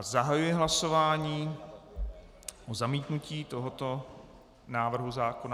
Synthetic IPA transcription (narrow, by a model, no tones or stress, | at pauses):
zaɦajujɪɦlaso̞vaːɲiː | ʔozamiːt̪nuciːt̪oɦot̪o | naːvr̩ɦuzaːkona